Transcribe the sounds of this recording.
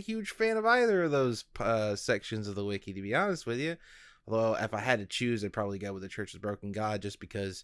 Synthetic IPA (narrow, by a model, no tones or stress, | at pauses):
hjʉd̥ʒ̥fæ̃ñʌvaɪðə˞ʌvðoʊz̥ʰʌsɛkʃɨ̃nzʌvðəwɪkiɾɨbiɑnɨst̚wɨðjɨ | lˠðoʊɪ̰faɪɨd̚tɨt͡ʃʰʉzaɪpʰɹ̥ɑbəbliɡoʊwə̃ðɨt͡ʃʰɜ˞t͡ʃɨzbɹoʊkn̩ɡɑd̚d͡ʒʌsb̥ɨkʰʌz̥